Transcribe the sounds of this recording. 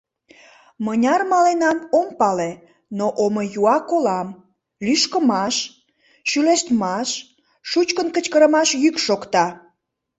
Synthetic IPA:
mənʲɑrmɑlenɑnompɑle | noʔomojuɑkolɑm | lyʃkəmɑʃ | ʃyleʃt̪mɑʃ | ʃut͡ɕkənkət͡ɕkəɾəmɑʃjykʃokt̪ɑ

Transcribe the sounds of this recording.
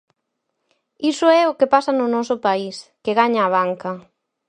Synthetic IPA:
isʊɛʊkɪpasɐnʊnɔsʊpaiskeɣaɲaːβ̞aŋkɐ

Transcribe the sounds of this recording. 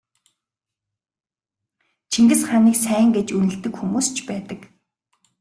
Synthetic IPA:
t͡ɕʰiŋɡɘ̆sχaniːksæːŋɡet͡ɕunɘ̆ɮt̪ɘ̆kxumuːst͡ɕʰpæːt̪ə̆k

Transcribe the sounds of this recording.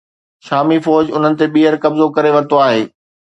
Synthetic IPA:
ʃaːmifɔːd͡ʑʊn̤ənɪ̆t̪eɓiːɦəɾkɐbzokɐɾeʋɐɾt̪oaːɦeː

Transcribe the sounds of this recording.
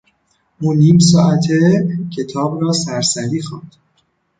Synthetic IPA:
ʔuːniːms̬ɒːʔæt̪ʰecʰe̞t̪ʰɒːbrɒːsæɾsæɾiːxɑːnd̪̥

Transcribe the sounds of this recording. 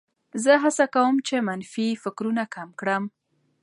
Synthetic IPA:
zəɦasakawəmt͡ʃemanfifɪkɾunakamkɽəm

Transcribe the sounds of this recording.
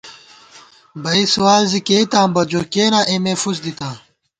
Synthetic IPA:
bɐiswaːlzikeit̪ãːmbɐd͡ʑoːkeːnãːʔemeːfusd̪it̪aː

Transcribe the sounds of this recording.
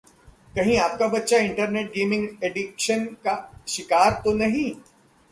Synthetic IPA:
kɐɦĩaːp̚kabɐt̪ːʃaɪ̃ɳʈəɾneːʈ̚ɡeːmɪ̃ŋɡeːɖɪkʃənkaʃɪkaːɾt̪onɐɦĩ

